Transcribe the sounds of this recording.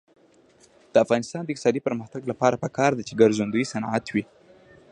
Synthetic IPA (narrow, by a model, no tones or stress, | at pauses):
d̪̥əafɣɑnɪst̪ɑnd̪əɪk̚t̪ɪ̥sɑd̪ipəɾməxt̪aɡlapɑɾapəkɑɾd̪at͡ʃeɡaɾzund̪ujsanʕat̪wi